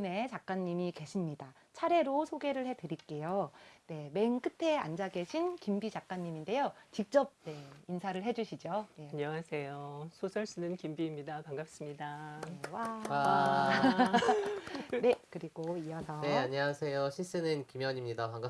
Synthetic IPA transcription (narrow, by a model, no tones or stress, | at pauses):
ne̞t͡ɕak͈aɲːimike̞ɕʰimɲida | t͡ɕʰaɾe̞ɾosʰoɡe̞ɾɯɭhe̞dɯɾik͈e̞jone̞me̞ŋk͈ɯtʰe̞a̰nd͡ʑaɡe̞ɕʰinkimbit͡ɕak͈̚aɲːiminde̞jot͡ɕik̚t͡ɕ͈ʌb̚ne̞insʰaɾɯɭɦe̞d͡ʑuɕʰid͡ʑoje̞aɲʌŋasʰe̞josʰosʰʌɭs͈ɯnɯnkimbiːmɲidapaŋɡap̚s͈ɯmɲidaewa | ne̞kɯɾiɡoiʌsʰʌneaɲʌŋasʰe̞joɕʰis͈ɯnɯnkimjʌɲimɲidakaŋɡa